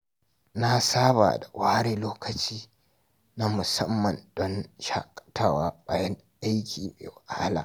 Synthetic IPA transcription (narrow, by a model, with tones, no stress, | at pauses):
na˦saː˦ba̰ː˨da˨wa˦a˦ɽeː˦loː˦kɐ˨t͡ʃiː˦ | na˦mʊ˨sɐ˦mːɐ˨ndɔ˦nʃa̰˦kʼtaː˦˨waː˦baː˦jɛ˦ŋ | ʔa˦jkʲiː˨mḛː˨wa˨ʔa˦ha˦la̰ː˨